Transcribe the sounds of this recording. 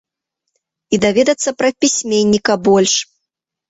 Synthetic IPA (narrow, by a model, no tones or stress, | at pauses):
id̪avʲɛd̪ɐt̪sːɐpɾɐpʲisʲmʲenʲːikɐbɔlʲʂ